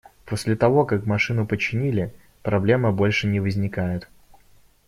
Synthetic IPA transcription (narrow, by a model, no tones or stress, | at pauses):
po̞sʲlʲɪt̪ɐvo̞kakmɐʂɨnʊpət͡ɕːɪnʲilʲɪ | pɾɐblʲe̞məbo̞lʲʂɨnʲɪvəzʲnʲɪkajɪt̪